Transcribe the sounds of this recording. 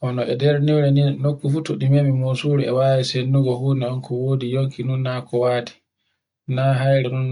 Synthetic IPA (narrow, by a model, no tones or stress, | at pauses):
ʔɔnɔʔɛdɛɾniwɾɛninokːufutuɗimemimosuɾɛɛwaːwisenːuɡɔhunɛɔnkʰɔwoːdijoŋkinunːakɔwaːti̥ | naːɦajɾɛnun